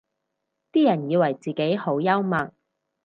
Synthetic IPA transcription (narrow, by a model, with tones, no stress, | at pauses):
t̪iː˥jɐ˨˩njiː˧wɐ˨˩jt͡siː˨ke˨˥jho˨˥wjɐ˥wmɐ˨˩ŋ̚